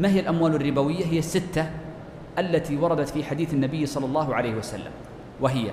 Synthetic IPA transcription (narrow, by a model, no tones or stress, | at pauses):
maɦɪjːalʔamwaːlarːɪbawɪjːaɦɪjːasːɪt̪ːa | ʔalːat̪iwɑɾˤɑd̪at̪fiːħad̪iːθanːabɪjːsˤɑlːɑlˤːɑːhʊʕalejhwasa̰lːa̰m | waɦɪjːa̰